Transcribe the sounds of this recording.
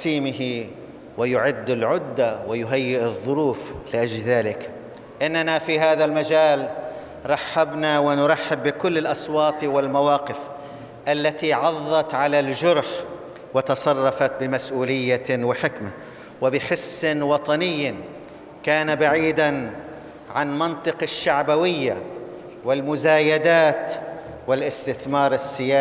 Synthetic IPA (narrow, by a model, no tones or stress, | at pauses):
siːmɪɦɪ | wɪjʊʕɪd̪ːɪlʕʊd̪ːawɪjʊɦajːɪʔɨðˤːʊɾuːflɪʔad͡ʒlðaːlɪk | ʔɪnːanafiɦaːðalmad͡ʒaːl | ɾˤɑħːabnawɪnʊɾˤɑħːɪbːɪkʊlːɪlʔɑsˤwɑːt̪ˤwɪlmawɑːqɪf | ʔalːat̪iʕɑðˤːɑt̪ʕalald͡ʒʊɾħ | wɪt̪ɑsˤɑrˤːɑfat̪̚bɪmasʔuːlɪjːawɪħɪkma | wɪbɪħɪsːɪnwɑt̪ˤɑnɪjː | kaːnabaʕiːd̪an | ʕanmɑnt̪ˤɨqɪʃːaʕbawɪjːa̰ | wɪlmʊzaːjad̪aːt̪ | wɪlʔɪst̪ɪθmɑːɾˤɪsːɪjaː